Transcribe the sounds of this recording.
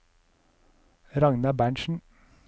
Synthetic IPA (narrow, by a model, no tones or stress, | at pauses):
ɾɑŋnɑbæːɳʃn̩